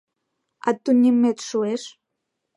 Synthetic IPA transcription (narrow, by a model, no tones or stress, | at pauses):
a̰t̪ːunʲimet̪ʃueʃ